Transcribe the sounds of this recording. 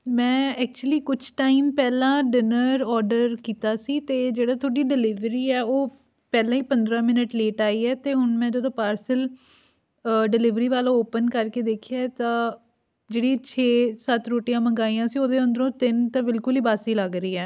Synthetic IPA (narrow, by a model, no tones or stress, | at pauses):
mɛ̃ːɛːk̚t͡ʃuəliːkʊt͡ʃʰʈaːimpɛːlãːɖɪnəɾɔːɾɖəɾkiːt̪aːsiːt̪eːd͡ʒeːɽaːt̪ʰoːɖiːɖɪlɪʋɾiːɛːoː | pɛːlãːiːpənd̪ɾãːmɪnəʈleːʈaːiːɛːt̪eːɦʊnmɛ̃ːd͡ʒod̪õːpaːɾsəl | ɖɪlɪʋɾiːʋaːlãːoːpənkəɾkeːd̪eːkʰiaːt̪ãː | d͡ʒeːɽiːt͡ʃʰeːsət̪ɾoːʈijãːməŋɡaːiːãːsiːoːd̪eːə̃nd̪ɾõːt̪ɪnt̪ãːbɪlkʊliːbaːsiːləɡɾəiːɛː